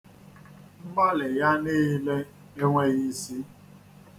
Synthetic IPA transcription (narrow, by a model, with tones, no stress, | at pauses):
ŋ͡m̩˦ɡ͡ba˦lɪ˨ja˦ni˦i˦le˦ | e˦ŋʷe˦ɣi˦si˦